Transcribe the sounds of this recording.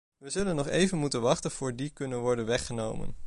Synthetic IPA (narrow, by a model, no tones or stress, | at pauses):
ʋəzɵlənːɔχejvənmutənʋɑχtənv̥ʊːɹdikɵnənʋɔɹdənʋɛχənowmə̰n